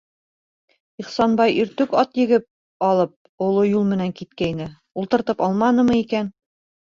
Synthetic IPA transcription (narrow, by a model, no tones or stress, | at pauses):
iχsɑnbɑjɵ̆ɾt̪ɵkɑt̪jɘ̆ɡɘp̚ | ɑlˠɤp̚ | ŏlˠojulˠmɘ̆næŋkit̪̚kæjnɘ | ulˠt̪ɤ̆ɾt̪ɤpɑlˠmɑnɤ̆mɤikæn